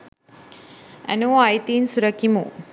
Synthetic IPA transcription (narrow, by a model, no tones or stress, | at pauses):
ɛ̰noːajt̪iːnsuɾɐkimṵ